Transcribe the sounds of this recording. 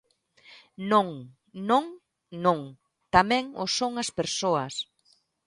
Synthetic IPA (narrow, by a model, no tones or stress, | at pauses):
nõŋ | nõŋ | nõŋ | t̪amɛ̃ŋosoŋɐspeɾsoɐs